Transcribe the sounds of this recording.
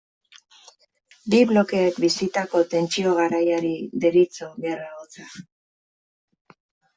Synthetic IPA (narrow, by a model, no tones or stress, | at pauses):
biβlo̞ke̞ːkbisit̪ako̞t̪e̞nt͡sio̞ɣ̞aɾajaɾiðe̞ɾit͡so̞ɣeraot͡sa